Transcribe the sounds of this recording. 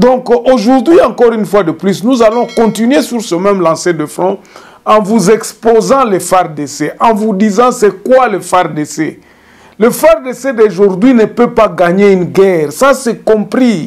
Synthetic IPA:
d̪ɔ̃koʒuʁd̪ɥiɑ̃kɔʁynfwad̪əplysnuzalɔ̃kɔ̃t̪inɥesyʁsəmɛmlɑ̃sed̪əfʁɔ̃ | ɑ̃vuzɛkspozɑ̃lefaʁd̪eseʔɑ̃vud̪izɑ̃sɛkwaləfaʁd̪ese | ləfaʁd̪esed̪eʒuʁd̪ɥinəpøpaɡaɲeynɡɛːʁsasɛkɔ̃pχi

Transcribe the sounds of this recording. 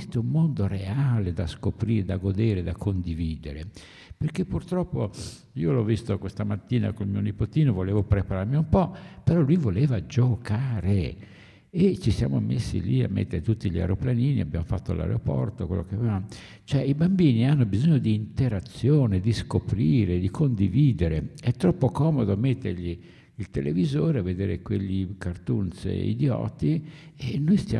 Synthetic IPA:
st̪oumːond̪oreaːled̪askopɾiːɾed̪aɡod̪eːɾed̪akʰond̪iviːd̪eɾe | perkepːurt̪ɾɔpːo | iːolɔvːist̪okwest̪amat̪ːiːna̰kolmiːonipot̪iːnovoleːvopɾepaɾarmiumpɔpeɾɔlːujvoleːvad͡ʒokaːɾe | et͡ʃisja̰ːmomːḛsːḭlia̰mːḛt̪ːeɾet̪ut̪ːiʎa̰ɾeoplaniːnia̰bja̰mofa̰t̪ːola̰ɾḛopɔ̰rt̪okwḛlːʔo̰keaveam | t͡ʃoɛibambiːnianːobizoɲːod̪iːnt̪eɾat̪sːjoːned̪iskopɾiːɾed̪ikʰond̪iviːd̪eɾeɛt̪ːɾɔpːokɔːmod̪oamet̪ːerʎi | ilt̪elʔevizoːɾeavːed̪eːɾekweʎlːikart̪unsḛḭd̪jɔ̰ːt̪ienːojst̪ja̰

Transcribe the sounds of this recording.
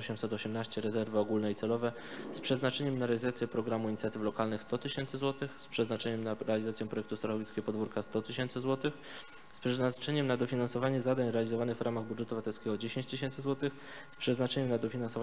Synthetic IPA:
ɕɛmsɛt̪ɔɕɛmnaɕt͡ɕɛɾɛzɛɾvɘɔɡulnɛit̪sɛlɔvɛ | spʂɛznat͡ʂɛɲɛmnaɾɛalʲizat̪sʲjɛpɾɔɡɾamuiɲit̪sʲjat̪ɘflɔkalnɘxst̪ɔt̪ɘɕɛnt̪sɘzwɔt̪ɘxspʂɛznat͡ʂɛɲɛmnaɾɛalʲizat̪sʲjɛ̃pɾɔjɛkt̪ust̪ɾat̪ɔvʲiskʲɛɡɔpɔd̪vuɾkast̪ɔt̪ɘɕɛnt̪sɘzwɔt̪ɘx | spʂɛnat͡ʂɛɲɛmnad̪ɔfʲinansɔvaɲɛzad̪aɲɾɛalʲizɔvanɘɣvɾamaɣbudʐɛt̪uvat̪ɛlskʲɛɡɔd͡ʑeɕẽɲt͡ɕt̪ɘɕ̬ɛnt̪sɘzwɔt̪ɘx | spʂɛznat͡ʂɛɲɛmnad̪ɔfʲinansɔv

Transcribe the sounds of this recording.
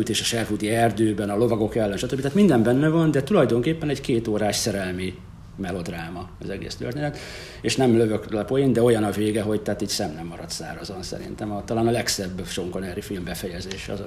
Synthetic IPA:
yt̪eːʃɒʃɛrɦut̪iɛrd̪øːbɛnɒlo̞vɒɡo̞kɛlːɛnʃɒt̪øbːit̪aːt̪mind̪ɛmbɛnːɛvɒnd̪ɛt̪ulɒjd̪o̞ŋkeːpːɛnɛɟkeːt̪oːɾaːʃsɛɾɛlmi | mɛlo̞d̪raːmɒɒzɛɡḛːst̪ø̰rt̪eːnɛt̪ | eːʃnɛmløvøklɛpo̞jind̪ɛo̞jɒnɒveːɡɛɦo̞ɟt̪ɛaːt̪iːɟsɛmnɛmːɒɾɒt̪sa̰ːɾɒzonsɛ̰ɾḭnt̪ɛmɒt̪ɒlaːnɒlɛksɛbːʃoŋko̞nɛɾifilmbɛfɛjɛzeːʃɛɒ̰z

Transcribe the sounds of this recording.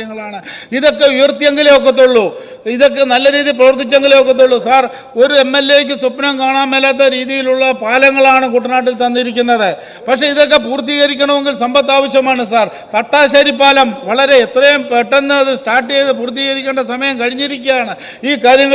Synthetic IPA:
ɐŋːɐɭaːɳɨiðo̞kːe̞ujɐrt̪jɐŋɡɐleok̬ːɐt̪ːuɭːu | iðo̞kːe̞nɐlːɐɾiːðiprɐʋɐrt̪ʰːit͡ɕːɐŋɡileokːɐt̪̬ːuɭːusaːr | o̞ɾue̞mːe̞lːeːk̬ʲːɨsupːnɐmkaːɳaːmelaːt̪̬ːɐɾiːðijiluɭːɐpaːlɐŋːɐɭaːɳɨkuʈːɐnaːʈ̬ːilt̪ɐnːiɾikʲːunːɐðɨ | pɐkʂe̞iðo̞k̬ːe̞puːrt̪ːiɣɐɾikʲːɐɳɐme̞ŋɡilsɐmbɐt̪ːaːʋɐɕjɐmaːɳɨsaːr | t̪ɐʈːaːɕaːɾipːaːlɐmʋɐɭɐɾe̞ːt̪rɐjɐmpeʈːɐnːɐɐðɨsʈaːʈːiejðɨpuːrt̪̬ːiɣɐɾikʲːeɳɖɐsɐmɐjɐmkɐɻiɲːiɾikʲːujaːɳɨ | iːkaːɾjɐŋːɐ

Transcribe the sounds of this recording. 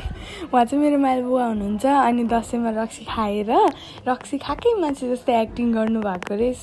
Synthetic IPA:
w̃ãt͡sʌ̃meɾomajlbuwaɦunuɦnt͡sʰʌːnid̪ʌsʌmarʌk̚sikʰaeɾʌ | rʌksikʰakʌjmant͡sʰed͡zʌst̪ʌak̚ʈiŋɡʌrnubʱakoɾes

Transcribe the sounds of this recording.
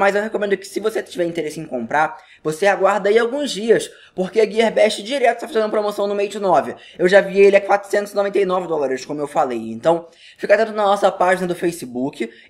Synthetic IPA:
mɐzewɦekõmẽnd̪ʊkɪ̥sɪvoset͡ʃivɛɾĩt̪eɾesɪẽkõmpɾaɾ | voseaɡwaɾd̪ɐiawɡũzd͡ʒiɐs | poɾkeɐɡieɾbɛʃt͡ʃɪd͡ʒiɾɛt̪ʊʃt̪afazẽd̪ʊmɐpɾomosɐ̃w̃nʊmejʊd͡ʒɪnɔvɪ | ewʒavielɪakwat̪ɾʊsẽnt̪ʊzɪnovẽnt̪ejnɔvɪd̪ɔlaɾɪskõmʊewfalejẽnt̪ɐ̃w̃ | fikat̪ẽt̪ʊnɐnɔsɐpaʒinɐd̪ʊfejsɪbukɪ

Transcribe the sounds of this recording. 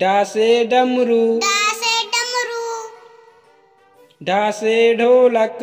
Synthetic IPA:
ɖaːseːɖɐmɾuːɖaːseːɖɐmɾuː | ɖaːseːɖʱoːlɐk

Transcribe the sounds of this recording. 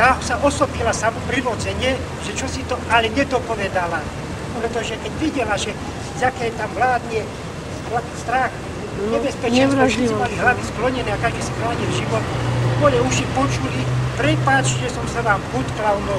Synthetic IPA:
aɦɔsaʔɔsɔpilasamɔpɾilɔd͡zɛɲɪɛ | ʒɛt͡ʃɔsit̪ɔalɛɲɛd̪ɔpɔʋɛd̪ala | pɾɛt̪ɔʒɛkɛɟʋiɟɛlaʒɛ | zakɛːɛt̪amʋlaːd̪ɲɪɛ | ast̪ɾax | ɲɛbɛspɛt͡ʃɛassɛmaliɦlaʋisklɔɲɛnɛːakaʒd̪isixɾlaːɲilʒiʋɔt̪d̪ʋɔjɛuʃipɔt͡ʃulipɾɛpat͡ʃʒɛsɔmsaʋaːmɦut̪klaɔnɔ

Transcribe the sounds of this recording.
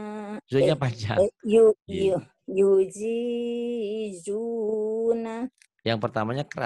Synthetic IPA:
zuɲapad͡ʒaju | jud͡ʒi | d͡ʒu | na | jaŋpərt̪amaɲakəɾa̰

